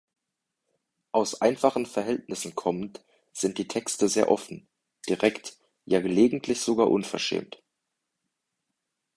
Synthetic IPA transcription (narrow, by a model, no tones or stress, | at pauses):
ʔaʊsʔaɪnfaχn̩fɛɐɦɛltnɪsn̩kʰɔmənt | z̥ɪnt̚d̥iːtʰɛkstəzeːɐʔɔfn̩ | d̥iʁɛkt | jaːɡəleːɡŋ̩tʰlɪçz̥oɡaːɐʔʊnfɛɐʃɛ̰ːmt